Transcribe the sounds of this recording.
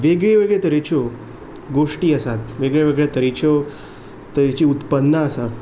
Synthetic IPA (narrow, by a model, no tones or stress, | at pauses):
ʋeɡɭeʋeɡɭet̪əɾet͡ɕɔ | ɡoʂʈiːəsat̪ʋeɡɭeʋeɡɭjat̪əɾet͡ɕɔ | t̪əɾet͡ɕiːut̪pənːəəsa